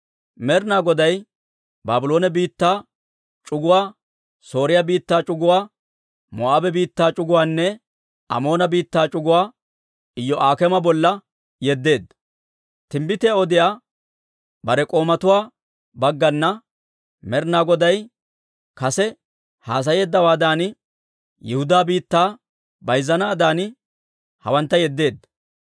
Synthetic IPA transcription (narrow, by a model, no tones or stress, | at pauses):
mɛɾnaːɡɔd̪ɐj | baːbɪlo̞ːnɛbiːt̪ːaː | t͡ʃʼʊɡʊwaː | so̞ːɾɪjabiːt̪ːaːt͡ʃʼʊɡʊwaː | mɔ̰ʔaːbɛbiːt̪ːaːt͡ʃʼʊɡʊwaːnːɛ | ɐ̰mo̞ːnɐbiːt̪ːaːt͡ʃʼʊɡʊwaː | ɪjːɔʔaːkɛmɐbɔlːɐ | jɛd̪ːe̞ːd̪ | t̪ɪmbɪt̪ɛɔd̪ɪjaː | bɐɾɛkʼo̞ːmɐt̪ʊwaː | bɐɡːɐnːɐ | mɛɾnaːɡɔd̪ɐj | kɐsɛ | haːs̬ɐje̞ːd̪ːɐwaːd̪aːn | jɪhʊd̪aːbiːt̪ːaː | bɐjzːɐnaːd̪aːn | hɐ̰wɐnt̪ːɐjɛd̪ːe̞ːd̪ːɐ̥